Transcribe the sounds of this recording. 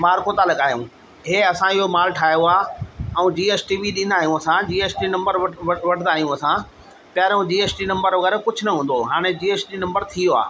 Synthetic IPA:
maːɾkot̪alɐɠaːɦjṵ̃ː | ɦeːɐsãɪɦomaːlʈʰaːɦijoaːɛ̃ũd͡ʑiːeːsʈiːbiɗĩːnd̪aːɦijũɐsãd͡ʑiːeːsʈinɐ̃mbəɾʋɐʋɐʈʰnd̪aːɦijũɐsã | pjaːɾjõd͡ʑiːeːsʈinɐ̃mbəɾʋɐɣɛːɾkʊd͡ʑʱʊnɐɦũːn̆d̪oɦaːɽ̃ed͡ʑiːeːsʈinɐ̃mbəɾt̪ʰijoa̰ː

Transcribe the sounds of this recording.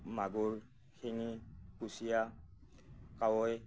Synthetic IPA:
maɡuɹ | heŋikusija | kawɔj

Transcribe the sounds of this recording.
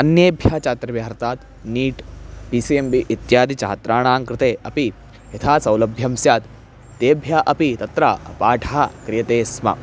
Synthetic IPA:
ɐnjeːbʱjat͡ʃaːt̪ɾɐʋjaːɾt̪aːt̪ | niːʈpisiembiʔit̪jaːd̪it͡ʃa̰ːt̪ɾaːɳ̃aːŋkɾɪt̪eːʔɐpi | ɦɐt̪ʰaːsɐwlɐbʱjɐmsjaːt̪ː | eːbʱjaʔɐpit̪ɐt̪ɾaɐpaːʈʰakɾijɐt̪eːsmɐ̰

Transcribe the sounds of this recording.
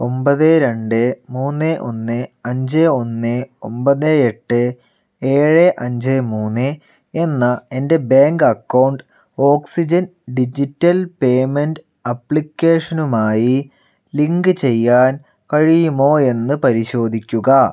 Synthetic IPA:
o̞mbɐðɨɾeɳɖɨmuːnːɨʔo̞̰nːɨɐɲd͡ʑeo̞nːɨo̞̰mbɐðeeʈːɨ | e̞ːɻɨʔɐɲd͡ʑemuːnːɨ | enːɐe̞nde̞beːŋɡɐkːɐwɳɖɨ | o̞ːksid͡ʑɐnɖid͡ʑitːɐlpeːmenɖ | ɐpːɭikʲːe̞ːʂɐnumaːji | liŋɡɨt͡ɕe̞jːaːn | kɐɻijumo̞ːe̞nːɨpɐɾiɕo̞ːd̪ʱikʲːuɣɐ

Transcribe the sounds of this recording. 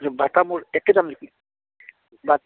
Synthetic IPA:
ɾbʱat̪amuɾɛkːed̪amdiki | bat̪

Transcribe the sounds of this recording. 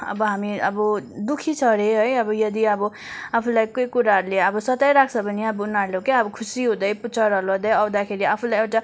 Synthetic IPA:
ʌ̰bʌɦamiʌ̰bʌd̪ukʰit͡sʰʌɾeɦʌjʌbʌjʌd̪iʌbʌ | apʰulajkojkuɾaɦʌɾuleʌbʌsʌt̪ʌjɾak̚ʰt͡sʰʌbʌniʌbʌunalokeʌbʌkʰusiɦũd̪ʌjput͡sʰʌɾʌlʌd̪ʌjʌwd̪akʰeɾiapʰulajewʈa

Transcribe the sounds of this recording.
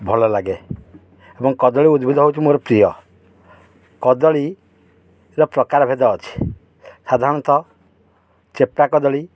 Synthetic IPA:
bʱɔlɔlaɡe | ebɔŋkɔd̪ɔɭiud̪bʱid̪ʱɔɦowt͡ʃʰimoɾɔpɾijɔ | kɔd̪ɔɭi | ɾɔpɾɔkaɾɔbʱed̪ɔːt͡ʃʰi̥ | sad̪ʱaɾɔ̃ɽɔnt̪ɔ | t͡ʃepakɔd̪ɔɭi

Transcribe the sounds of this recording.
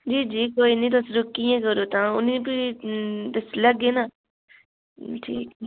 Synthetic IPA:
d͡ʒiːd͡ʒiːkoːiːnĩːt̪̬ʊsɾʊkːijãːkəɾoːt̪ãːʊnĩpi | t̪ʊsləɡeːnaː | ʈʰḭːk

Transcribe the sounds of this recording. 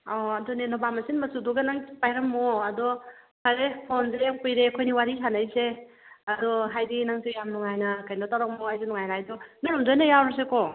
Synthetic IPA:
ɔɐdɔnenobamɐsinmɐsuduɡɐnaŋpajɾɐmːɔɐdɔ | pʰaɾepʰonzejaŋpujɾekʰojniwaɾisanɐjse | ɐdɔɦajdinaŋsijamnɔŋajnɐkajnɔtawɾak̚mɔhajzinɔŋajɾajdɔnuɾɔmdojnɐjawɾɐsekɔ

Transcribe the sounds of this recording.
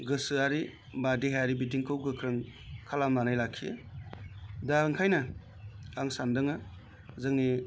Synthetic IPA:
ɡɯsɯaɾi | badiɦaaɾibitiŋkʰɯwɡɯkʰɾɯŋkʰalamnanajlakʰːiḛ | daɾɯŋkʰajnɐ | aŋsandɯŋa | zɯŋni

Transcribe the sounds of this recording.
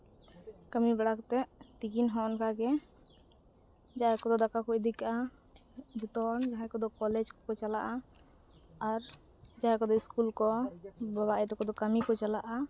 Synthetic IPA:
kəmibɛɽakt̪ɛʔt̪iɡinɦɔnkaɡɛ | d͡ʒaɦakɔd̪ɔd̪akakud̪ikaʔa | d͡ʒut̪ɔnd͡ʒaɦɛkɔd̪ɔkɔlɛd͡ʒkɔkɔt͡ʃalaʔaː | ɾ | d͡ʒaɦɛkɔd̪ɔiskulkɔbaβaʔɛt̪ɔkɔd̪ɔkəmikɔt͡ʃalaʔa

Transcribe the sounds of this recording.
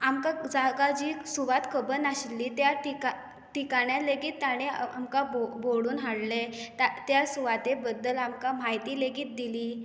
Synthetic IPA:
amkad͡zaɡad͡ʑiːsuʋat̪kʰəbənaɕilːiːt̪jaʈika | ʈikaɳjaleɡiːt̪ːaɽ̃eamkaboboɽuːnɦaɽlet̪at̪jasuʋat̪ebəd̪ːəlamkamaɦjt̪iːleɡiːt̪̚d̪iliː

